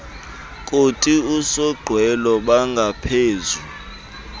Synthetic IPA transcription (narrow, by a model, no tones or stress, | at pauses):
kʼotʼiusɔɡ͡ǃʱwɛlɔɓaŋɡʱapʰeːzu